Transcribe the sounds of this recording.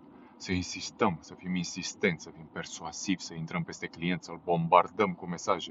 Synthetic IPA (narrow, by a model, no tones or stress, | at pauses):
səinsist̪əmsəfiminsist̪e̞nt̪səfimpe̞rsuazivʲsəint̪ɾəmpe̞st̪e̞klije̞nt̪səlbo̞mbard̪əmkume̞saʒe